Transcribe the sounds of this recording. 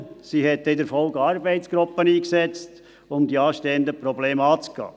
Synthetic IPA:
siɦɛt̪ːɪd̪əɾfɔlɡɑɾbɛɪt̪sɡ̥ɾʊpːəniːksɛt͡st | ʊmd̪iɑːʃteːənd̪əpɾɔbleːmɑːt͡sɡ̥ɑ̰ː

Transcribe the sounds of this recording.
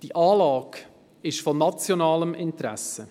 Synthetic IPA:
d̥iʔɑːlɑːɡ | ɪʃfɔnɑt͡sjonɑːləmɪntɾæ̰sə

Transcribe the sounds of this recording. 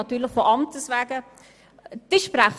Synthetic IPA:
ɑt̪yːlɪχfoʔɑmtəsvæːɡə | d̥ɪʃpɾaχ

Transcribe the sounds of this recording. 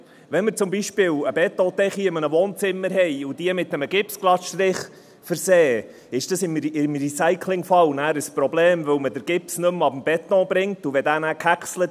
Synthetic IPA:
ʋɛnmɪɾt͡sʊmbiʃpɪːləbɛt̪ːɔ̃t̪ɛχiɪmənəvoːnt͡sɪmːəɾɦɛɪʊdiəmɪt̚ːəməɡɪpsklɑtʃt̪ɾɪχ | fəɾseː | ɪʃd̥ɑsɪmɪmɾisæɪkʰlɪŋfɑlnæːɾəspɾɔbleːmvɵwmədəɾɡ̥ɪpsnɵmɑb̥m̩b̥ɛt̪ɔ̃bɾɪŋtuʋɛdæːnæːkʰækslət

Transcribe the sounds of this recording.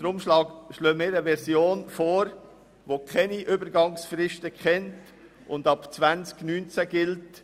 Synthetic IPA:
dəɾʊmʃlɑːɡʃløːmɪːɾəʋɛɾsjoːnfoːɾ | ʋokʰɛniʔʏbəɾɡɑŋsfɾɪʃtəkχɛnt | ʊndɑpt͡sʋænt͡sknyːnt͡sæɡɪlt

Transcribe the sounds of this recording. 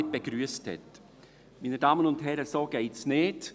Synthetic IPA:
ɪt̚b̥eɡɾyːəsthɛ̰t | miːnədɑːmənʊntɦɛɾəsoːɡ̥ɛɪtsneːd

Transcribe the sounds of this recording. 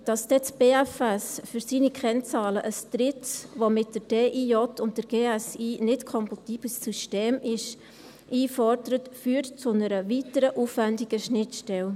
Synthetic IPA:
d̥ɑsd̥ɛt͡sb̥eːæfɛsfyɾsinikχɛnt͡sɑːləʔəstɾɪtʋomɪt̚d̥əɾd̥eːʔiːɔtʰʊntdəɾɡ̥eːɛsiːnɪtkʰɔmpɑtiːb̥ləsːyʃteːmɪʃ | ʔiːfɔɾdəɾətfyːəɾtt͡sʊnəɾəʋitəɾəʔufvændɪɡ̥əʃnɪtʃtɛl

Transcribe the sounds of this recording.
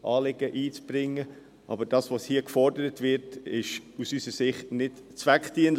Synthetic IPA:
ʔɑːlɪɡ̥əʔiːt͡sb̥ɾɪŋːə | ʔɑ̰bəɾd̥ɑːsʋoshiːəkfɔrdəɾətvɪɾtɪʃusysəsɪχtnɪtt͡svæktiən

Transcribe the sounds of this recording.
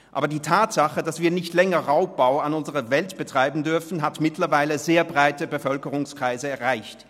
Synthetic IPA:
ʔʔaːbɐdiːtʰaːtz̥aχəd̥asv̥iːɐnɪçtlɛŋɐʁaʊp̚b̥aʊanʊnzəʁəvɛltb̥ətʁ̥aɪbn̩dʏɐfn̩ɦatmɪtlɐvaɪləzeːɐbʁaɪtəbəfœlkəʁʊŋskʁ̥aɪzəɛɐʁaɪçt

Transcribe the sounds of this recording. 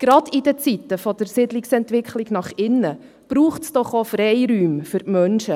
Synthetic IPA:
ɡ̥ɾɑdidət͡sitːəfɔd̥əɾsɪdlɪksɛntʋɪkχlɪɡnɑχɪnːə | b̥ɾuːχtsd̥ɔχofɾɛjɾyːmfʏɾmœnʃə

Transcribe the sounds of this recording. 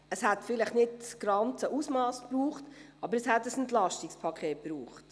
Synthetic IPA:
əshætfɪlɪχnɪdɡ̥ɾɑnt͡səʔusmɑːspɾuːχtʔɑbəɾəshætːəsɛntlɑʃtikspʰɑkʰχeːt̚pɾuːχt

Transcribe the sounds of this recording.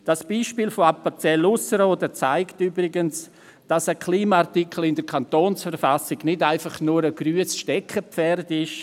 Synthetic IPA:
d̥asb̥iːʃpiːlfoapat͡sɛlʊsəɾoːdət͡sa̰ɪktybɾɪɡəns | d̥asəkʰliːmaaɾtikʰəl̩ɪndəɾkʰantoːnsfəɾfasɪɡnɪdaɪfɑχnuɾəɡ̥ɾyːəsʃtɛkʰːəpfɛrdɪʃ

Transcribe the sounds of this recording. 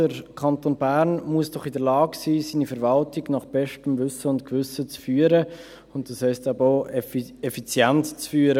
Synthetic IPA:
əɾkʰɑntoːnbæɾnmuəsd̥ɔχɪdəɾlɑːɡsiːsiːnifɛɾvɑltɪɡnɑχb̥ɛʃtəmvʏsəʊntkvʏsət͡sfyːəɾə | ʊntd̥ɑshɛɪstæbəoɛfit͡sjɛntt͡sfyːəɾə

